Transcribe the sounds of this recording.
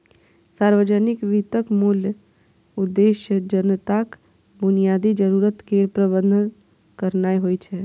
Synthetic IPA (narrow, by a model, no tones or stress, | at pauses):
saːɾʋəd͡ʒənɪkʋit̪əkmuːljə | ʊd̪ːeːʃjəd͡ʒənət̪ak | bʊnijaːd̪id͡ʒəɾuːɾət̪keːɾpɾəbənd̪ʱə | kəɾnaːiɦoit͡ʃʰɛ